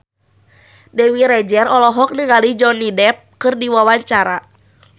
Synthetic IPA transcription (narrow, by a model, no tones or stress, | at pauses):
dɛwiɾɛd͡ʒɛrɔlɔɦɔk̚nəŋalid͡ʒɔnidɛp̚kɨrdiwawaɲt͡ʃaɾa